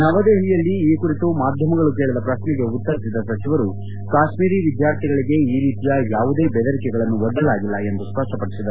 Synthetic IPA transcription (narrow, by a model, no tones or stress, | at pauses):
nɐʋɐd̪eːɦiɭijɐlːiːkuɾit̪umaːd̪ʱjɐmɐɡɐɭuk̬eːɭɐd̪ɐpɾɐʃnɛɡe̞ut̪ːɐɾisid̪ːɐsɐt͡ʃiʋɐɾu | kaːʃmiːɾiːʋid̪jaːɾt̪ʰiɡɐɭiɡe̞iːɾiːt̪ijɐjaːʋud̪e̞ːbɛd̪ɐɾikɛɡɐɭɐnːuʋɔɖɐlaːɡilːɐe̞nd̪uspɐʂʈɐpɐɽisid̪ɐɾu